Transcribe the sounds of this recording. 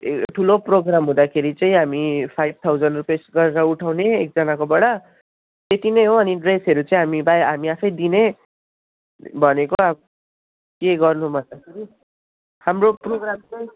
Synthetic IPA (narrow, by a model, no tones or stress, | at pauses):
ʈʰuloproɡramɦũd̪akʰeɾit͡sʌĩɦamipʰajb̚t̪ʰawd͡zʌnrupesɡʌɾeɾʌuʈʰawneek̚d͡zʌnakobʌɽʌ | t̪et̪inejɦoʌniɖresɦʌɾut͡sʌĩɦamibajɦamiapʰʌjd̪ine | bʱʌnekoa | keɡʌrnubʱʌnd̪akʰeɾi | hamroproɡramt͡sʌj̃